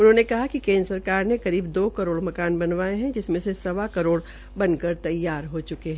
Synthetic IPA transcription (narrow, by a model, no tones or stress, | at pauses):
ʊnɦõːnekɐɦakikẽːnd̪ɾəsɐɾkaːɾnẽkɐɾiːbd̪oːkɐɾoːɽmɐkaːnbɐnʋaːeɦɛ̃d͡ʒɪsmẽsesɐʋakɐɾoːɽ | bɐ̃nkɐɾt̪ɐjːaːɾɦot͡ʃʊkeɦɛ̃ː